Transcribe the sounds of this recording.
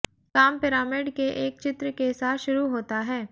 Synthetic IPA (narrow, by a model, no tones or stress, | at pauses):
kaːmpɪɾaːmɪɖkeʔeːk̚t͡ʃɪt̪ɾəkeɪsaːʃʊɾuɦoːt̪aɦɛː